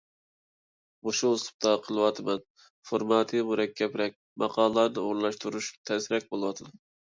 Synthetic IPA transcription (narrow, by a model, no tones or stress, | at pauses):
oʃust̪u̥p̚t̪ʰɑqʰəlˠɨwɑt̪ʰɨmɛn | foɾmɑt̪ʰɨmuɾɛkʲʰːɛpɾɛk̚ʲmɑqʰɑlˠlˠɑɾnɨoɾnlˠɑʃt̪uɾuʃt̪ʰɛsɪɾɛk̚ʲbolˠɨwɑt̪ʰɨd̪ɨn